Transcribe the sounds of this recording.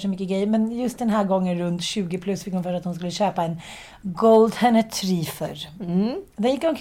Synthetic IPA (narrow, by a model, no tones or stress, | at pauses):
ʂəmʏkːəɡɾɛjmɛnjɵst̪̚d̪ɛnɦæːɾɡɔŋːənɾɵnt̪ɕʉ̟ːɡɪpʰlɵsːfɪkhʊnfœːɾat̪hʊnskɵlːəɕøːpaɛn | ɡɔld̪hɛnəʈʰɾiːfœ̰ɾ | d̪ɛnjɪkːʊnk